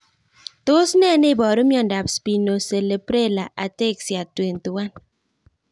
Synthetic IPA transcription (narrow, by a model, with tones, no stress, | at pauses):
tʊ˦snɛ˦ne˦˨bɔ˨ɾo˦mjɔ˦n̩˨da˨pspi˨no˨se˨le˨pɾe˦˨la˨ʔa˨te˦˨ksja˨twe˨n˨tu˨wa˦n